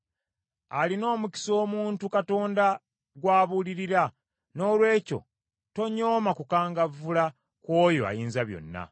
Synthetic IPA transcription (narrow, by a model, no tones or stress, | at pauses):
alino̞ːmuci̥so̞ːmuːntukato̞ːnda | ɡwaːβuliɾiɾa | no̞ːlwe̞ːco̞̰ | to̞ɲo̞ːmakukaːŋɡavula | kwo̞ːjoa̰jiːnzaβjo̞̰nːa̰